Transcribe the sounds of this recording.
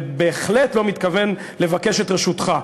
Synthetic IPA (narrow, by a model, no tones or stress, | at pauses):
be̞ːχletlo̞mit̪kave̞n | le̞vake̞ʃe̞t̪ʁeʃut̪χa